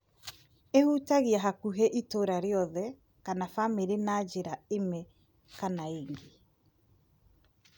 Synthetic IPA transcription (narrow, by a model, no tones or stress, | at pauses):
ehutaɣiaɦakuɦeʔitoɾaɾeɔðɛ | kanafameɾenad͡ʒeɾaemɛ | kanaeŋɡe